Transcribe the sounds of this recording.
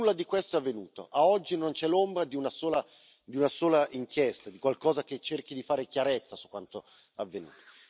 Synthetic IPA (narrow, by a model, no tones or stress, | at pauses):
ulːad̪ikwest̪oɛavːenuːt̪o̰ʔaɔd͡ʒːinont͡ʃɛlombɾad̪iunasoːla | d̪iunasoːlaʔiŋkjɛst̪ad̪ikwalkɔːzak̟et͡ʃːerk̟id̪ifaːɾek̟jaɾɛt̪sːasukːwant̪o | avːenṵːt̪o̥